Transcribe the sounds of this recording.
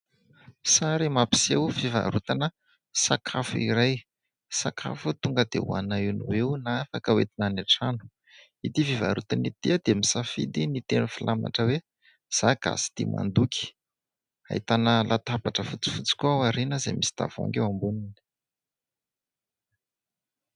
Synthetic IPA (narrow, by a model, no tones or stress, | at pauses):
saɾimapi̥sewfiva̰ɾut̪anə | sakʰafuiɾaj | sakʰa̰fut̪uŋɡəd̪ḛṵa̰nainiwewnaafakəwet̪inanaʈ͡ʂanu̥ | it̪ifiva̰ɾut̪anit̪iəd̪̥emisafḭd̪init̪enufilʔama̰ʈ͡ʂəwe | z̥aɡ̥a̰si̥t̪ḭma̰nd̪uki̥ | a̰it̪anəlʔat̪abaʈ͡ʂəfut͡si̥fut͡si̥kʲuawaɾinəzemisi̥d̪̥a̰vo̰ŋɡewambunini̥